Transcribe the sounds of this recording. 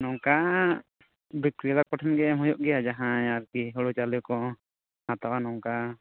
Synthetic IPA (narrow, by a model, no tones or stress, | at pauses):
nɔŋka | bikɾilapɔʈʰɛnɡɛmɔjɔʔɡɛjad͡ʒaɦãaɾkiɦɔɽɔt͡ʃalɛkɔ | hat̪awanɔŋka